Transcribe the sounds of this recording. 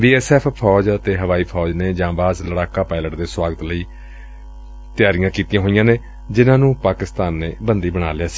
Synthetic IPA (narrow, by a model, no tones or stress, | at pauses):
biːɛːsɛːpʰpʰɔːd͡ʒət̪eːɦəʋaːiːpʰɔːd͡ʒneːd͡ʒãːʋaːzləɽaːkaːpaːɪləʈd̪eːswaːɡət̪ləiː | t̪ɪjaːɾɪjãːkiːt̪ijãːɦoːɪjãːneː | d͡ʒɪnãːnũːpaːkɪst̪aːnːeːbənd̪iːbəɽ̃aːleaːsi̥ː